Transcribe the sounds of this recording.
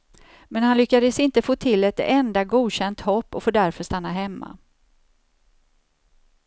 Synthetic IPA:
mɛnhanlʏkːad̪əsɪnt̪əfoːt̪ʰɪlːɛt̪ɛnd̪aɡuːd̪ɕɛnt̪hɔpːɔfoːd̪æɾfœʂt̪anːaɦɛmːa̰

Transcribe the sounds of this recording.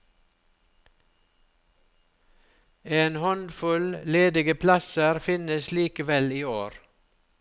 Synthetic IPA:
eːnhɔnd̪fʉlleːd̪ɪɡəpʰlɑsəɾfɪnəsliːkəʋɛliːoːɾ

